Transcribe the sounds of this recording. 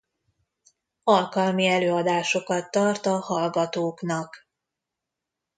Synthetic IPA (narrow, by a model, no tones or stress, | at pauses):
ɒlkɒlmiɛløːɒd̪aːʃo̞kɒt̪ːɒrt̪ɒhɒlɡɒt̪oːknɒk